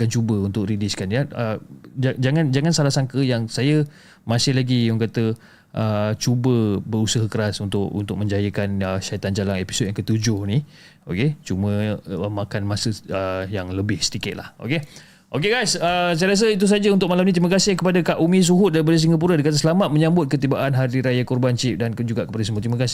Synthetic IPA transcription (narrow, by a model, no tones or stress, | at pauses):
akant͡ʃubəunt̪ʊkɾidɪskanjaəd͡ʒad͡ʒaŋand͡ʒaŋansalahsaŋkəjaŋsajə | masɪhlaɡiʊŋkat̪ə | ʔət͡ʃubəbəɾusəɦəkəɾasunt̪ʊkṵnt̪ʊk̚mə̃ɲd͡ʒajəkanəʃait̪and͡ʒalanepi̥sot̚jaŋkət̪ud͡ʒʊhni | oket͡ʃumə̃əmakanmãsəəjaŋləbɪhsə̥dikɪt̪̚la̰ho̰ke | ʔokeɡajsəs̬ajɾas̬əit̪̬us̬ad͡ʒaunt̪ʊk̚malamnit̪ɾiməkasɪhkəpadakaʔumĩs̬uɦʊt̪̚daɾipadas̬iŋɡap̬uɾadikat̪̬əsəlamat̪̚məɲãmbʊt̪̚kət̪ibaʔanɦadiɾajakɔrbant͡ʃɪp̚dankd͡ʒuɡaʔkəpadəsəmuət̪ɾiməkasɪ